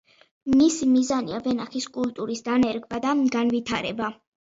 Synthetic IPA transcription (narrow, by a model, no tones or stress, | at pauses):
misimizaniavɛnaχiskʼult̪ʼuɾisd̪anɛɾɡbad̪aɡanvit̪ʰaɾɛba